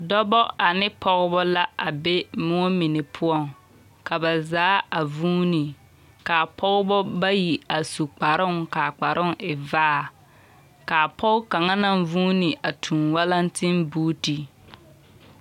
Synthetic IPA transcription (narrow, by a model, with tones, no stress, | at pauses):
dɔ˦bɔ˦ʔa˨nɪ˦pʰɔ˦ɣɪ˦bɔ˦la˦ʔa˨be˦mʊ˦ɔ˦mɪ˨nɪ˨pʰʊ˦ɔ˦˨ŋ | ka˨ba˨zaː˨˦a˨vuː˦ni˨ | ka˨pʰɔ˦ɣʊ˦bɔ˦ba˦ji˨a˨su˨k͡pa˨ɾʊ˦ŋka˨k͡pa˨ɾʔʊ˦ŋɪ˨vaː˦a˨ | ka˨pɔ˦ɣka˨ŋa˦na˨ŋvuː˦nɪ˨a˨tʰũ˨nwa˦la˦ntɪ˦nbuː˦ti˨